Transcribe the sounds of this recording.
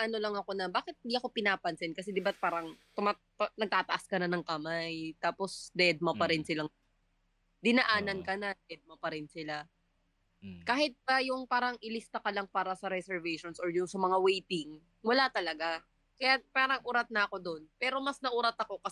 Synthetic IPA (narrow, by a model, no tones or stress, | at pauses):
ʔɐno̞lɐŋɐko̞nɐbaːkɪt̪̚ɪnd̪iɐko̞pɪnaːpɐnsɛnkɐsɛd̪ɪbat̪̚paːɾɐŋt̪ʊma | nɐɡ̚t̪aːt̪ɐʔaskɐnɐnɐŋkɐmajt̪aːpo̞sd̪ɛd̪̚mopɐɾɪnsɪlaŋ | d̪ɪnɐʔaːnɐnkɐnɐd̪ɛd̪̚mopɐɾɪnsɪla | kaːhɪt̪̚pɐjʊŋpaːɾɐŋʔɪlɪst̪ɐkɐlɐŋpaːɾɐsɐɾɛsɛɹvɛjʃonsoɹjʊŋsɐmɐŋawɛjt̪ɪŋ | wɐlat̪ɐlɐɡa | kɐjapaːɾɐŋʔuːɾɐt̪̚nɐɐko̞d̪o̞npɛːɾo̞mɐsnɐʔuːɾɐt̪ɐko̞kɐ